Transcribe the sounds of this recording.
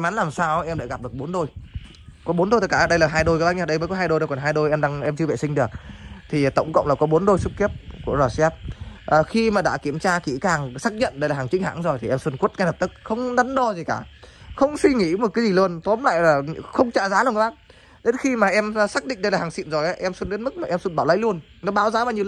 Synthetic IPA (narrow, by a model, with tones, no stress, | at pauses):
ʔɛ˧mʔa˨˦nlaː˨˩msaː˧wʔɛ˧ma̰ː˧˥˩ɣa˨˩p̚ɗɨ˨˩ək̚ɓo˨˦nɗo˧j | kɔ˨˦ɓo˨˦nɗo˧jt̪ə˦˥kːaː˧˩ɗə˧jlaː˨˩ɦaː˧jɗo˧jkːɓaː˧˥ɲə˧˩ɗə˧jməː˨˦jkɔ˨˦ɦaː˧jɗo˧jɗkɔ˨˩nɦaː˧jɗo˧jʔɛ˧mɗaː˧ŋʔɛ˧mt͡ɕɨ˧əvḛ˧˨sï˧ŋ̟ɗɨ˨˩ək̚t̪ʰi˨˩t̪ə˧˩wŋ͡mkə̰˧˨wŋ͡mlaː˨˩kɔ˨˦ɓo˨˦nɗo˧jsu˦˥p̚k̪i˦˥əp̚ku˧˩əzɔː˨˩sɛ˦˥p̚ʔəː˨˩xi˧maː˨˩ɗa̰ː˧˥ki˧˩əmt͡ɕaː˧kḭ˧˩kaː˨˩ŋsaː˦˥k̚ɲə̰˧˨nɗə˧jlaː˨˩aː˨˩ŋt͡ɕï˨˦ŋ̟ha̰ː˧˥ŋzo˨˩jt̪ʰi˨˩ʔɛ˧mswə˧nku˦˥ət̚kaː˧jlə˨˩p̚t̪ɨ˦˥k̚xə˧wŋ͡mɗa˨˦nɗɔ˧zi˨˩kaː˧˩xə˧wŋ͡mswi˧ŋḭ˧˥m˨˩t̚kaː˨˦jzi˨˩lu˧ənt̪o˨˦mla̰ː˧˨jlaː˨˩xə˧wŋ͡mt͡ɕa̰ː˧˨zaː˨˦la˧˩˨kːɓa̰ː˧˨ | ɗe˨˦nxi˧maː˨˩ʔɛ˧m˧saː˦˥k̚ɗḭ˧˨ŋ̟ɗə˧jlaː˨˩aː˨˩ŋsḭ˧˨nzo˨˩jʔaː˨˦ʔɛ˧mswə˧nɗe˨˦nmɨ˦˥k̚maː˨˩ʔɛ˧mswə˧nɓaː˧˩wlə̰˧˥jlu˧ən | nɔ˨˦ɓaː˨˦wzaː˨˦vaː˨˩ɲ˨